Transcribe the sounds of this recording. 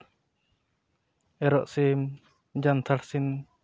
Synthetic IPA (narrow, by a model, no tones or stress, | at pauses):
ɛɾɔʔsim | d͡ʒant̪ʰaɾsin